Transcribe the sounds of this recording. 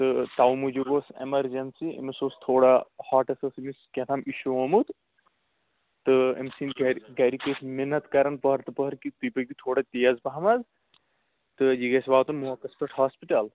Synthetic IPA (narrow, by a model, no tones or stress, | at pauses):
t̪ɨt̪awmud͡ʒoɡosḛmɐɾd͡ʒɐnsiḛmisoːst̪ʰoːɽahaːʈɐsɐsimiskʲɐt̪ʰamiʃuomut̪ | t̪ɨḛmsinɡɡɐɾikesmenːɐt̪kɐɾɐnpɐɦɾt̪ɨpɐɦɾkit̪ujpɐɡ̪it̪ʰoːɽat̪ijɐzpɐɦɐmɐz | t̪ɨjiɡɐsbaːt̪ɐnmuɦɐkɐspɐʈɦaːspiʈɐl